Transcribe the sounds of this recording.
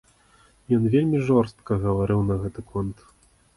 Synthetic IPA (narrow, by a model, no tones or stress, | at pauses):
jɔnvʲelʲmʲiʐɔrst̪kɐɣɐvaɾɨwnɐɣɛt̪ɨkʰɔnt̪